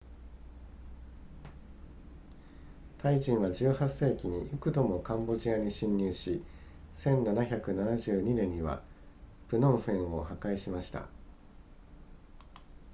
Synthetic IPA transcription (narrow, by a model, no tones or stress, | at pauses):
t̪aiʑĩɰ̃βad͡ʑɨːhasːe̞ːkʲiɲ̟ijɯkɯ̟d̪o̞mo̞kãmbo̞ʑiaɲ̟iɕĩɲ̟ːɨːɕi | sẽ̞nnanaçʲakɯ̟nanaʑɨːɲ̟inẽ̞ɲ̟ːiβa̰pɯ̟nõ̞ɰ̃ɸẽ̞ɰ̃o̞hakaiɕimaɕi̥t̪a̰